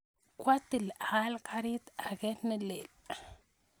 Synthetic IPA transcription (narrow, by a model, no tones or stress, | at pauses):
kwat̪ːilalkaɾit̪aɡet̪nilel